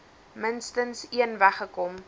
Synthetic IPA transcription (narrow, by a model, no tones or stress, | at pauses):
mənstənsiənvæχəkɔm